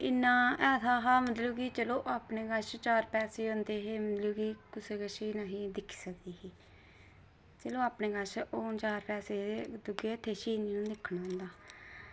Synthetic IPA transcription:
ɪnːãːɛːt̪ʰaːɦãːmət̪ləːɡiːt͡ʃəloːʔaːpneːɡəʃt͡ʃaːɾpɛːseːõːnd̪eːɦeːmət̪ləːɡiːkʊseːkəʃɪnãːɦiːd̪ɪkʰːi̥ːsək̚d̪iːɦiː | t͡ʃəloːaːpneːɡəʃoːnt͡ʃaːɾpɛːseːd̪ʊɡeːət̪ʰːeːʃiːniːnũːd̪ɪkʰːɽaːɦʊ̃nd̪aː

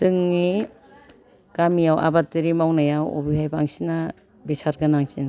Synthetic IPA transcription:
tɯŋni | kamijawʔa̰batiɾimawnajawɔ̰bihajba̰ŋsina | bisaɾɡanaŋsin

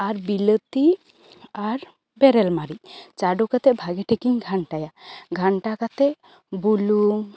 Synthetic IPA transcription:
aɾbilət̪i | aɾ | bɛɾɛlmaɾit͡ʃaɖokat̪ɛbʱaɡɛʈʰekiŋɡʱaɳʈajaɡʱaɳʈakat̪ɛʔ | buluŋ

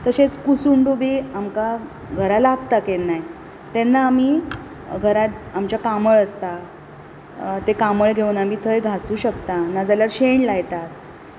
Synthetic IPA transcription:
t̪əɕet͡skusuɳɖubiːamka | ɡʱəɾalaɡt̪akenːaj | t̪enːaːmiː | ɡʱəɾat̪̚amt͡ɕjakaməɭəst̪a | t̪ekaməɭɡʱeunamiːt̪ʰəjɡʱasuːɕəkt̪anad͡zaljaɾɕeɳlajt̪at̪̚

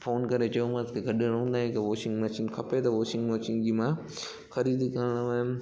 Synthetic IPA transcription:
fʰoːnkɐɾet͡ɕɐjomãt̪kʰeɡɐɗẽɾɐɦũnd̪aːẽkɐʋoːʃɪ̃ŋɡmẽt͡ɕɪ̃ŋɡkʰɐpet̪ɐʋoːʃɪ̃ŋɡmẽɐt͡ɕɪ̃ŋɡd͡ʑiːmã | xɐɾiːd̪ikɐɾɽ̃ʋaːɦɪm

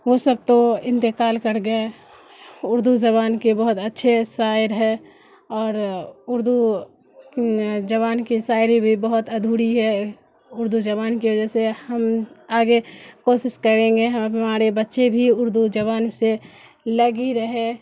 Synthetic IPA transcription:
ʋosəb̚t̪oɪ̃nt̪ɪkaːlkɐɾɡəe | ʊɾd̪ud͡ʒɐβaːnkebɐɦʊt̪ətːʃʰesaːɪɾɦɛː | ɔːɾʊɾd̪u | d͡ʒɐβaːnkisaːɪɾibʱibɐɦʊt̪ɐd̪ʱuːɽiɦɛ | ʊɾd̪ud͡ʒɐβaːnkiʋəd͡ʒəsehɐmaːɡekoːʃɪʃkəɾẽːŋɡeɦmaːɾebɐtːʃebʱiʊɾd̪ud͡ʒɐβaːnse | lɐɡiɾɐɦe

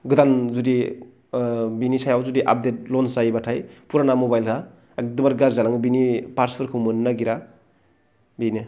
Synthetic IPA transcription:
ɡɯd̪anzudi | binisajawzudiʔa̰p̚det̚lɔnsajbatʰajpuɾanamobajlkʰaː | k̚dɯbaɾɡaɾzalaŋbinipaɾspʰɯɾkʰɯmɯnnːaɡiɾa | bini

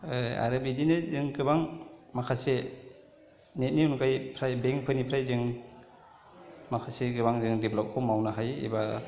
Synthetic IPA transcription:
a̰ɾabidinɯzɯŋɡɯbaŋmakʰase | net̚niunkajpʰɾajbeŋpʰɯnipʰɾajzɯŋ | makʰaseɡɯbaŋzɯŋdiblɔp̚kʰɔmawnaɦajḭba

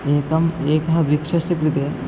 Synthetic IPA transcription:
eːkɐmeːkɦɐbɾikʃɐsikɾit̪e

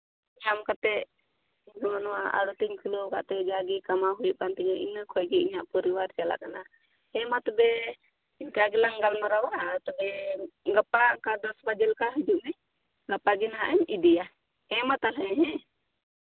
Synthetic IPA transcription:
iɲamkat̪ɛ | ɲkamanwaa̰ɽut̪iɲkʰilɔka̰ʔt̪ɛd͡ʒaɡikamaɦujuʔkant̪iɲɔḭnəkʰɔjɡiiɲaʔpɔɾiwaɾt͡ʃala̰kana | ɛmat̪ɔbɛ | inkaɡɛlaŋɡalmaɾawat̪ɔbɛɡapːakad̪ɔsbad͡ʒɛlkaɦəd͡ʒuʔmɛ | ɡapaɡinɦa̰ʔɛmid̪ija | ɛmat̪alɛ̃ɦɛ̃

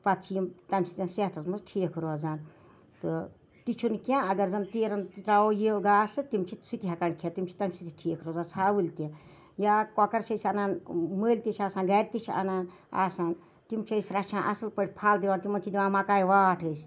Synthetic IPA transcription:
pɐt̪̚t͡ʃʰijimt̪ɐmʲsi̥t̪ʲɐ̃nset̪ʰɐsmɐzʈʰiːkʰɾoːzaːn | t̪ɨ | t̪it͡ʃʰunkʲãːɐɡɐɾzɐnt̪iːɾɐnt̪it̪ɾaːojiɡaːsɨt̪imt͡ʃʰisut̪iɦɐkɐɳkʰet̪imt͡ʃʰi̥t̪ɐmsit̪ʰʲiʈʰiːkʰɾoːzaːnt͡sʰaːʋɨlʲt̪ʲĩ | jaːkɔkɐɾt͡ʃʰɐsʲɐnaːnməːlʲt̪ʲit͡ʃʰʲaːsaːnɡɐːɾʲt̪it͡ʃʰɐ̰naːn | a̰ːsaːn | t̪imt͡ʃʰɐjsʲɾɐt͡ʃʰãːnʔɐsɨlpəʈ̚ʲʰpʰaːld̪iʋaːnt̪imɐnt͡ʃʰid̪ʲiʋaːnmaːkaːjʋaːʈʰəsʲ

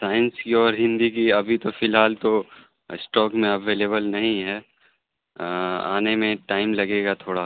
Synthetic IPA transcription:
saːɪnskiɔːɾɦɪ̃nd̪ik̬iɐbʱit̪ofɪlɦaːlt̪o | ɪsʈɔːkmẽɐʋeːleːbəlnɐɦĩɦɛː | a̰ːnemẽʈaːɪmlɐɡeːɡat̪ʰoːɽa

